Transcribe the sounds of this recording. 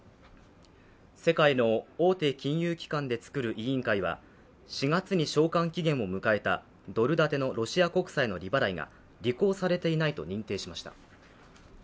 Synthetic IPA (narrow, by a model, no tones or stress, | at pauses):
se̞kaino̞oːt̪e̞ːkʲĩɰ̃jɯːkʲi̥kãnd̪e̞t͡sɨ̥kɯ̟ɾɯ̟ʔiĩŋkaiβ̞a̰ | ɕiɡat͡sɨɲ̟iɕo̞ːkãŋkʲiɡẽ̞ɰ̃o̞mɯ̟kae̞t̪a̰ | d̪o̞ɾɯ̟d̪at̪e̞no̞ɾo̞ɕiako̞kɯ̥saino̞ɾʲibaɾaiɡa̰ | ɾʲiko̞ːsaɾe̞t̪e̞inait̪o̞̰ɲ̟ĩnt̪e̞ːɕimaɕi̥t̪a̰